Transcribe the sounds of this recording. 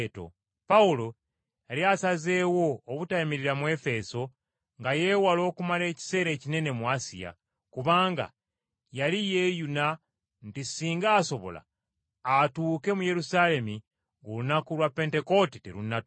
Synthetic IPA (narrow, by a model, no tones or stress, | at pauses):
to̞̰ | paulo̞ | jaliasaze̞ːwo̞ːβutaimiɾiɾamwe̞fe̞so̞ | ŋɡaje̞walo̞ːkumale̞ːci̥se̞ːɾe̞ːcine̞ne̞muasḭja̰ | kuβaːŋɡa̰ | jalijejuna | ntisiːŋɡaːso̞βo̞̰la̰ː | tuːke̞muje̞ɾusale̞mi | ŋɡulunakulwapːe̞ːnte̞ko̞titḛɾunːat